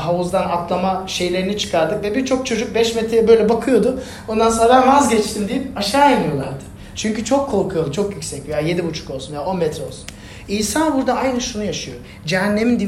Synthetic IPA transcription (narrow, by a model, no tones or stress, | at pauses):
ɦauzd̪anat̪lˠamaʃe̞jlʲe̞ɾinit͡ʃʰɯ̥kʰaɾd̪ɯkvɛbiɾt͡ʃʰo̞k̚t͡ʃʰo̞d͡ʒuk̚bɛʃmɛt̪ʰɾɛbø̞jlʲɛbakʰɯjo̞d̪ʊ | o̞nd̪ansonɾamazɟɛt͡ʃt̪ʰind̪ijipaʃaːinijo̞lˠaɾd̪ɯ̥ | t͡ʃʰyɲcyt͡ʃʰo̞kʰːo̞ɾkʰujalˠɯt͡ʃʰo̞kjycsɛcvejaje̞d̪ibut͡ʃʰu̥kolˠsunjao̞nmɛt̪ɾɛo̞lˠsu̥n | ijsanbuɾd̪aajnɯʃunujaʃɯjo̞ | d͡ʒɛɦænːe̞mind̪i